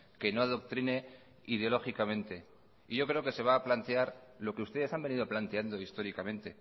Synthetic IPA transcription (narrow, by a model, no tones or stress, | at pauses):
ke̞no̞aðo̞k̚t̪ɾine̞ | iðeo̞lo̞xikamẽ̞nt̪e̞ | iʝo̞kɾeo̞ke̞se̞β̞aːplant̪e̞aɾlo̞keust̪e̞ðe̞sambe̞nið̞o̞plant̪e̞and̪o̞ist̪o̞ɾikamẽ̞nt̪e̞